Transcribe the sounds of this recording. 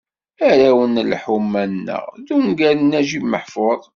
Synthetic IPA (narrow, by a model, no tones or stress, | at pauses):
æɾæwənlħumːænnːə̰ʁðumɡæɾnːæʒimːəħfoðˤ